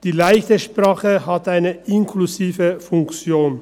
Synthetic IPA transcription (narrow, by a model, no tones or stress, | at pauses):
d̥iːlaɪçtəʃpʁaːχəhataɪnəʔɪnkʰluziːvəfʊŋkt͡sjoːn